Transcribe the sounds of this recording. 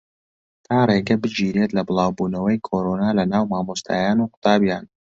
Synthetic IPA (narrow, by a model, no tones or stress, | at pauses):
t̪ʰaːreːɡɐbɨd͡ʒiːɾet̪lɐbɨlˠaːwbuːnɐwɐjkʰoɾonaːlɐnaːwmaːmost̪ʰa̰ːjaːnuːqʊ̥t̪ʰaːbjaːn